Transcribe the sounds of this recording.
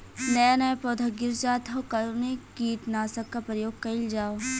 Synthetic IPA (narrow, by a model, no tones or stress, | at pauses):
nɐjanɐpoːd̪ʱɐɡɪɾt͡ʃaːt̪ʰɐkɐɾunekiːʈnaːsɐkkːapɾɐjoːɡ̚kɐɪld͡ʒaːo